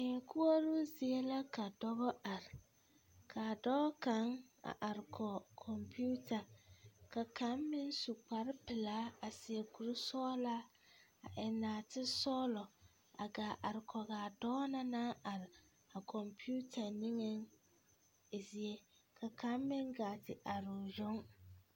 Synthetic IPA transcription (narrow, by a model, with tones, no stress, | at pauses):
ɪ˨ŋ˨kʰu˦o˦ɾu˦zi˨e˦la˦ka˨dɔ˦bɔ˦ʔa˨ɾɪ˨ | kʰa˨dɔ˦ɔ˦ka˦ŋa̰˨ʔa˨ɾɪ˨kʰɔ˨kʰɔ˨mpi˦u˦tʰa˨ka˨ka˦mːɪ˦nsu˨k͡pa˨ɾɪ˦pɪ˨la˨˦a˨sɪ˨e˨ku˨ɾu˦sɔː˦la˦ | a̰˨ʔɛ˨naː˨tɪ˦sɔː˦lɔ˨ | a̰˨ɡaː˨ʔa˨ɾɪ˨kʰɔ˨ɡaː˨dɔː˦na˦naː˦a˨ɾɪ˨ | a˨kʰɔ˨mpi˦u˦tʰa˨nɪ˦ŋɛ˦ŋ˨ | zɪ˨˦ɛ˦kʰa˨ka˦mːɪ˦ŋɡaː˨tɪ˨ʔa˨ɾʊ˨ʒʊ˦ŋ